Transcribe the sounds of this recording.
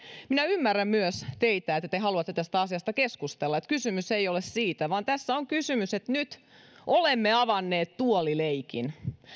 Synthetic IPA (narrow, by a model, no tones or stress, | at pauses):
minæymːærːæmmyøst̪eit̪æet̪ːæt̪eɦɑluɑt̪ːet̪æst̪æɑsiɑst̪ɑkeskust̪elːɑet̪kysymyseijolessiːt̪æʋɑːnt̪æsːæoŋkysymyset̪nyt̪ | ʔolemːeɑʋɑnːeːt̪t̪uolileikḭn